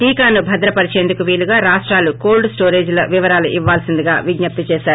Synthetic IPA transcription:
ʈiːkaːnubʱɐd̪ɾɐpɐɾit͡ʃeːnd̪ukuʋiːɭuɡaːɾaːʂʈɾaːlukoːlɖssʈoːɾe̞ːd͡ʒlɐ̰ʋiʋɐɾaːluʔiʋːaːlɐsind̪iɡa̰ːʋiɡɲɐp̚t̪ɐt͡ʃɛːʃaːɾu

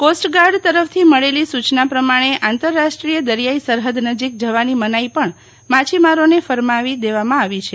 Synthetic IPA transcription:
kosʈɡaɾɖt̪əɾəft̪ʰiməɭelisut͡ʃnapɾəmaɽ̃eʔãnt̪əɾːaʃʈɾijəd̪əɾjaisəɾɦəd̪nəd͡ʒik̚d͡ʒəʋanimənaipəɳ | mat͡ʃimaɾonefəɾmaʋid̪eʋamãaʋit͡ʃʰe

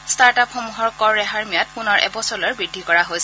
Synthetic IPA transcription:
staɹtapxomuɦɔɹkɔɹɹɛɦaɹmijat̚pʊnɔɹʔɛ̰bɔsɔlɔɹbɹidʱːikɔɹaɦojs

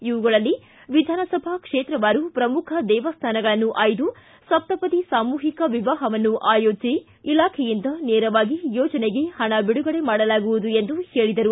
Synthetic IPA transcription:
iʋuɡɐɭɐlːi | ʋid̪ʱaːnɐsɐbʱakʂeːt̪ɾɐʋaːɾupɾɐmukʰɐd̪ɛːʋɐst̪ʰaːnɐɡɐɭɐnːuʔaːjd̪u | sɐp̚t̪ɐpɐt̪isaːmuːɦikɐʋiʋaːɦɐʋɐnːuʔaːjoːd͡ʒi | ilaːkʰɛjind̪ɐneːɾɐʋaːɡijɔːd͡ʒɐneɡe̞hɐɳɐbiɽuɡɐɭe̞maːɽɐlaːɡuʋud̪uend̪uhe̞ːɭid̪ɐɾu

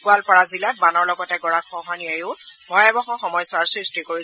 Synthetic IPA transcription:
kualpɔɹazilat̚manɔɹlɔɡɔtɛɡɔɹakxɔɦaniajʊ | bʱɔjɛbɔxɔ̃xɔmɔjsaɹsɹistikoɹi

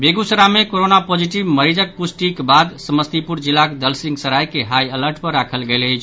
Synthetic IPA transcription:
beɡusəɾamekoɾonapod͡ʒiʈibməɾid͡ʒək̚pusʈikbad̪səməst̪ipuɾd͡ʒilːakd̪əlsĩŋɡsəɾajkeɦajələɾʈpəɾːakʰəlɡeləjt͡ʃʰ

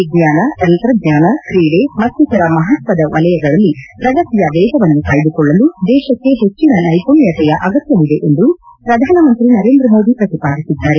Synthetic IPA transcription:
ɡɲaːnɐt͡ʃ̪ɐnt̪ɾɐɡɲaːnɐkɾiːɽemɐt̪ːut̪ʰɐɾɐmɐɦɐt̪ʋɐd̪ɐʋɐlɐjɐɡɐɭɐlːipɾɐɡɐt̪ijɐʋɛːɡɐʋɐnːukaːjid̪ukɔɭːɐlud̪ɛːʃɐkːe̞ɦet͡ʃːinɐlɐjkoɳjɐt̪ɛjɐʔɐɡɐt̪jɐlid̪e̞ʔend̪u | pɾɐd̪ʱaːnɐmɐnt̪ɾinɐɾe̞ːnd̪ɾɐmo̞ːd̪ipɾɐt̪ipaːd̪isid̪ːaːɾe̞

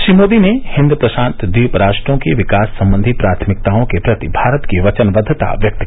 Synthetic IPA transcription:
ʃɾiːmoːd̪inehɪ̃nd̪upɾɐʃãːnt̪d̪iːpɾaːʃʈɾõkeʋɪkaːsːɐ̃mbənd̪ʱipɾaːt̪ʰmɪk̚t̪aõkepɾɐt̪ibʱaːɾət̪kiʋɐt͡ʃənʋəd̪ʱt̪a̰ʋjɐk̚t̪k

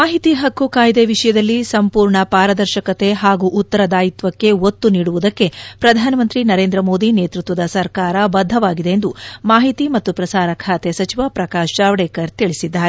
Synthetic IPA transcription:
maːɦit̪iɦɐkːukaːjd̪eʋiʂɐjɐd̪ɐlːisɐmpuːɾɳɐpaːɾɐd̪ɐɾʃɐkɐt̪e̞ɦaːɡuʔut̪ːɐɾɐd̪aːjit̪ʋɐkːe̞ot̪ːuniːɽuʋud̪ɐkːe̞pɾɐd̪ʱaːnɐmɐnt̪ɾinɐɾe̞ːnd̪ɾɐmo̞ːd̪ine̞ːt̪ɾut̪ʋɐd̪ɐsɐɾkaːɾɐbɐd̪ʱːɐʋaːɡid̪e̞end̪umaːɦit̪imɐt̪ːupɾɐsaːɾɐkʰaːt̪esɐt͡ʃiʋapɾɐkaːʃɾaːʋɐɽeːkɐɾt̪iɭisid̪ːaːɾe

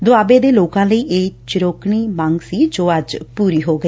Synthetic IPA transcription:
d̪ʊaːbeːd̪eːloːkãːləiːʔeːt͡ʃɪɾoːkɳ̃iːmaŋɡsiːd͡ʒoːəd͡ʒpuːɾiːɦoːɡəiː

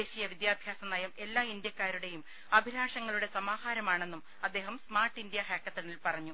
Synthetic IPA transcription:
eːɕijɐʋid̪jaːbʱjaːsɐmnɐjɐme̞lːaːind̪jɐkːaːɾuɽe̞jum | ɐbʱiɾaːʂɐŋːɐɭuɽe̞sɐmaːhaːɾɐmaːɳe̞nːum | ɐd̪ːe̞ːɦɐmsmaːrʈːind̪jɐɦeːkːɐt̪ːɐnilpɐrɐɲːu

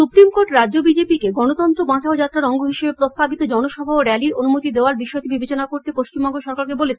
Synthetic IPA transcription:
supɾimkoʈɾadʑobid͡ʑepikeɡɔnot̪ɔnt̪ɾobãt͡ɕʰaod͡ʑat̪ːɾaɾɔŋɡoɦiʃebepɾost̪abit̪od͡ʑɔnoʃɔbʱaoɾɛliɾonumot̪id̪eoaɾbiʃɔeʈibibʱet͡ɕonakoɾt̪epoʃt͡ɕimbɔŋɡoʃɔɾkaɾkebolet͡ɕʰe

